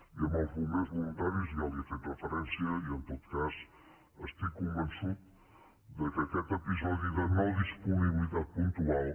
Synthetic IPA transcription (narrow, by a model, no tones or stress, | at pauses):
iəmawzβumezβulunt̪aɾjiuziaβiəfet̪rəfɾɛnsjəiənt̪ot̪kaz | əst̪ikːumbənsut̪̚ | d̪əkəkɛt̪əpizɔðiðənɔðispuniβiliðat̪̚punt̪ualˠ